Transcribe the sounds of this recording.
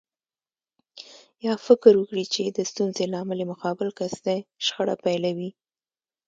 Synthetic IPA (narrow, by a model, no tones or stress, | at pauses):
jɑfɪkɾwəkɽit͡ʃed̪əst̪unzelɑməlemʊkɑbɪlkasd̪eʃxəɽa̰pajlawi